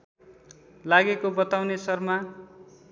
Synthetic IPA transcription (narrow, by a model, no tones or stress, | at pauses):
laɡekobʌt̪awnesʌrma